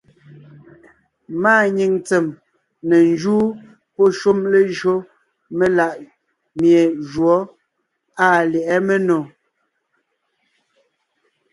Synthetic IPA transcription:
maː˦˨ɲi˨ŋt͡sɛ˨m | nɛ˨n˦d͡ʒuː˦ | pɔ˦ʃu˦mle˦ʒɰo˦ | me˦la˨ʔ | mje˨d͡ʒwɔ˨˦ | aː˦˨lɛ˨ʔɛ˦me˦nɔ˨

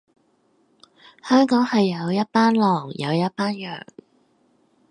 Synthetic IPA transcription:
hœː˥ŋkɔː˨˥ŋhɐ˨jːɐ˨˧wjɐ˥t̚paː˥nlɔː˨˩ŋjɐ̰˨˧wjɐ˥t̚paː˥njœ̰ː˨˩ŋ

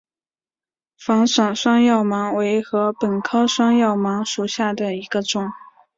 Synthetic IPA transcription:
fɑ˧˥ŋʂɑ˨˩ŋʂwɑ˥ŋjɑ˥˩ʊmɑ˧˥ŋwe˧˥ɪxɤ˧˥pə˨˩nkʰɤ˥ʂwɑ˥ŋjɑ˥˩ʊmɑ˧˥ŋʂu˨˩ɕja˥˩d̪ə˩i˧˥ɡ̥ə˧ʈ͡ʂʊ˨˩˦ŋ

